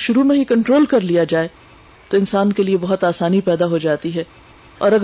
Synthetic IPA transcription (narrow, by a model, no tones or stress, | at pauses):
ʃʊɾumẽɦikɐ̃ɳʈɾoːlkɐɾlijad͡ʒaːe | t̪oɪ̃nsaːnkeliebɐɦʊt̪aːsaːnipɛːd̪aɦod͡ʒaːt̪iɦɛ | ɔːɾɐɡ